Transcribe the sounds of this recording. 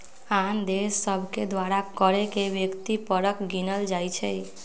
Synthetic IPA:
and̪essəbʱked̪waɾakəɾekeʋjəkt̪ipəɾəkɡinəld͡ʒajt͡ʃʰɛj

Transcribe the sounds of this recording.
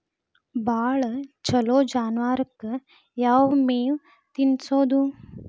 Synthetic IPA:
baːɭt͡ʃəloːd͡ʒaːnʋaːɾəkː | jawmeːw | t̪insoːd̪u

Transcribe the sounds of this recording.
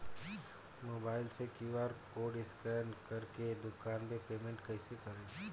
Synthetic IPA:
moːbaːɪlsekiwaːɾkoːɖɪskɾɛːɾnkɐɾked̪ʊkaːnpẽpeːmẽɳʈkɐɪsekɐɾeː

